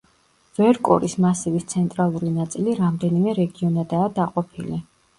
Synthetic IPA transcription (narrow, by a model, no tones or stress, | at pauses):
vɛɾkʼɔ̰ɾismasivist̪sʰɛnt̪ʼɾalˠuɾinat̪sʼiliɾamd̪ɛnimɛɾɛɡiɔnad̪aːd̪aqʼɔpʰili